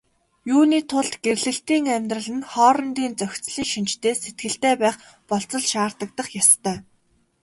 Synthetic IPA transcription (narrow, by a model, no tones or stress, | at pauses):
juːniːt̪ʰʊɮt̪ɡ̥erɮɘ̆ɬt̪iːŋæmʲt̪rə̆ɮɘ̆nχɔːɾɞ̆nt̪iːnt͡sœxʲt͡sɮiːŋʃint͡ɕt̪eːset̪̚ɡɘ̆ɬt̪eːpæːχ | pɔɬt͡sɞ̆ɮʃaːrt̪ə̆k̚t̪ə̆χjast̪ʰœː